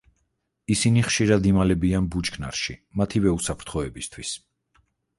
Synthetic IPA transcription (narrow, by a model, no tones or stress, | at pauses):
isiniχʃiɾad̪imalɛbianbut͡ʃkʰna̰ɾʃimat̪ʰivɛusapʰɾt̪ʰχɔɛbist̪ʰwis